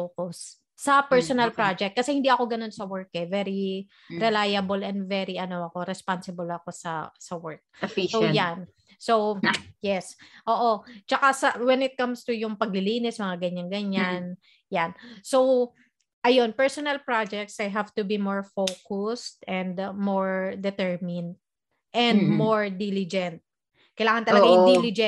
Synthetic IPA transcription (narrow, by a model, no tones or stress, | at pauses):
fokʊsː | ɐpɛɹsonɐlpɾad͡ʒɛk̚t̪̚kɐsɛhɪ̃nd̪iʔɐko̞ɡɐno̞nsɐwɛɹkɛvɛɹi | ɾɛlajɐbɐlɛnd̪vɛɾiʔɐno̞ɐko̞ɾɛspansɪbɐlɐko̞sɐsɐwɛɹk̚sojan | sowjɛsʔoːʔo̞t͡ʃɐkasɐwɛnɪt̪̚kɐ̃mst̪ujʊŋpɐɡ̚lɪliːnɪsmɐŋaɡɐɲanɡɐɲan | jansow | ʔɐjo̞npɛɹsonɐlpɹad͡ʒɛk̚t̪sdɐjɦavt̪ʊbimoɹfowkʊst̪ɛ̃nd̪moɹd̪ɛt̪ɛɹmɪnd̪̚ | ʔɛnd̪moɹd̪ilɪd͡ʒɛnt̪̚ | kɐjlaːŋɐnt̪ɐllɐɡajʊd̪ilɪd͡ʒɛ